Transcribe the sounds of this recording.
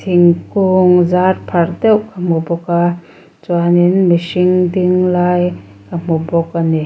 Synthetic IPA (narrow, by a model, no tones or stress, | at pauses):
tʰiŋkuŋzaɾpʰaɾdewkamubɔka | t͡ʃuaninmisiŋdiŋlaj | kamubɔkani